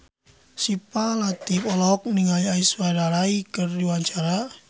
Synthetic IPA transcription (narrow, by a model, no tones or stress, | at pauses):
sipalat̪ipɔlɔk̚niŋaliaiswaɾaɾaikərdiwaɲt͡ʃaɾa